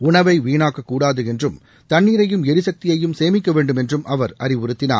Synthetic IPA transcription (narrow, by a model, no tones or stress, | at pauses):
ʊɳɐʋɐɪʋiːɳaːkːɐkːuːɽaːðɯɛndrɯm | t̪ɐɳːiːɾɐjɯmɛɾɯsɐk̚t̪ɪjɐjɯmseːmɪkːɐʋeːɳɖɯmɛndrɯmʔɐʋɐɾɐɾɪʋʊɾɯt̪ːɪna̰ː